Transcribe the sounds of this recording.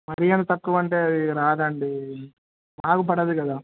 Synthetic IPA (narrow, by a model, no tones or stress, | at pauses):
mɐɾijɐnɐt̪ɐkːuʋɐɳʈe̞ːɐd̪iɾaːd̪ɐɳɖi | maːkupɐɽɐd̪ukɐd̪aː